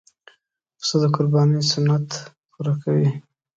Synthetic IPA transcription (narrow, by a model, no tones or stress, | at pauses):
səd̪əkʊɾbɑnisʊnat̪ | puɾakʰawi